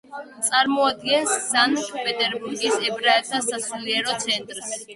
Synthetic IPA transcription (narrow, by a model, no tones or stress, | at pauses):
t̪sʼaɾmɔad̪̚ɡɛnsːankʰʼpʼɛt̪ʼɛɾbuɾɡisɛbɾaɛt̪ʰasasuliɛɾɔt̪sʰɛnt̪ʼɾs